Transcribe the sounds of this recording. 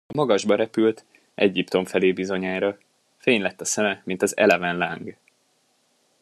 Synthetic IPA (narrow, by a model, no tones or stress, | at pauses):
ɒmɒɡɒʒbɒɾɛpylt̪ | ʔɛ̰ɟipt̪o̞ɱfɛleːbizo̞ɲaːjɾɒ | feːɲlɛt̪ːɒsɛmɛmint̪ɒzɛ̰lɛvɛnlaːŋɡ